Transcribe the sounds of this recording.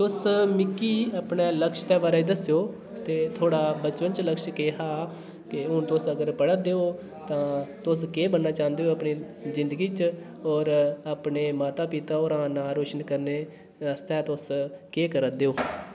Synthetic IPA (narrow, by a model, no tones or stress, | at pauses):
t̪ʊsmɪkːiːəpɳeːləkʃt̪ɛːbaːɾaid̪əsjoː | t̪eːt̪ʰoːɽaːbət͡ʃpənt͡ʃləkʃkeːɦaː | kɪʊnt̪ʊsəɡəɾpəɽəd̪eːoː | t̪ãːt̪ʊskeːbənːaːt͡ʃãːnd̪eoːəpɳiː | zɪ̃nd̪əɡiːt͡ʃ | ɔːɾapɳeːmaːt̪aːpɪt̪aːɔːɾãːnaːɾoːʃənkəɾneː | əst̪ɛːt̪ʊskeːkəɾəd̪eːoː